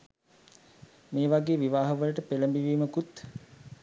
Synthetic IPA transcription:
meːʋaɡeːʋiʋaːɦəʋəlʈəpeləmbiʋiːməkut̪

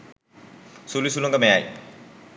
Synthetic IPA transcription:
sulisulɔŋɡamɛjaj

